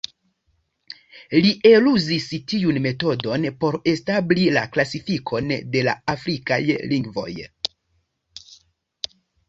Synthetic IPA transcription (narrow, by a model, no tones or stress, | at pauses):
liʔe̞luzistiunme̞to̞do̞npo̞ɾe̞stablilaklasifikʰo̞nde̞la̰afɾika̰jliŋɡvo̞̰j